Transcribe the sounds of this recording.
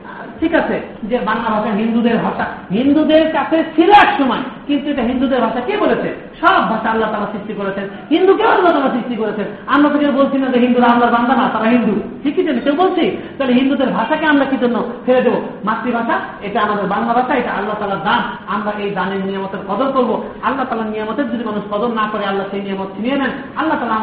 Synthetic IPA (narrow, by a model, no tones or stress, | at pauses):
ʈʰikat͡ɕʰed͡ʑebaŋlabʱaʃaɦind̪ud̪eɾbʱaʃaɦind̪ud̪eɾkat͡ɕʰet͡ɕʰiloɛkʃɔmɔekint̪ueʈaɦind̪ud̪eɾbʱaʃakebolet͡ɕʰe | ʃɔbʱaʃaalːat̪aːlasɾiʃʈikoɾet͡ɕʰen | ɦind̪ukeadnot̪aɾasɾiʃʈikoɾet͡ɕʰenamɾat̪ekewbolt͡ɕʰinad͡ʑeɦind̪uɾaamlaɾband̪ʱanat̪aɾaɦind̪uʈʰikːid͡ʑ̪inekewbolt͡ɕʰit̪ɔleɦind̪ud̪eɾbʱaʃakeamɾakid͡ʒonːofʰeɾed̪ebomat̪ɾibʱaʃaeʈaamad̪eɾband̪abʱaʃaeʈaʔalːaɦt̪aːlaɾd̪anamɾaʔejd͡ʒanenijɔmɔt̪eɾkɔd̪ɔlkoɾbo | alːaɦt̪aːlaɾnijɔmɔt̪eɾd͡ʒod̪imanuʃkɔd̪onːakɔɾealːaʃejnijɔmɔt̪̚kʰinijenɛn | alːaɦt̪aːla